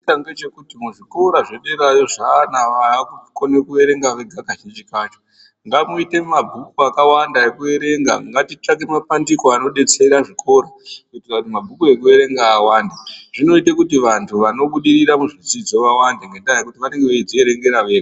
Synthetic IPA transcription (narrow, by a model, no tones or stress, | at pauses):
taŋɡet͡ʃe̞kutimuʐiko̞ɾaʐeɗeɾajo̞ʐanaʋakukonekue̞ɾe̞ŋɡaʋe̞ɡʱaɡaʃit͡ʃikat͡ʃo | ŋɡamuite̞mabʱukuakawandaekue̞ɾe̞ŋɡa̰ŋɡatit͡ʂak̬e̞mapandikoano̞ɗe̞t͡seiɾaʐiko̞ɾakutiʋanumabʱukue̞k̬ue̞ɾe̞ŋɡaːwaːndaʐino̞itekutiʋantʰuʋano̞ɓuɗiɾiɾamuʐid͡zid͡zo̞ʋawandeŋɡeɗaekutiʋane̞ŋɡeʋeid͡zoeɾe̞ŋɡe̞ɾaʋe̞ːre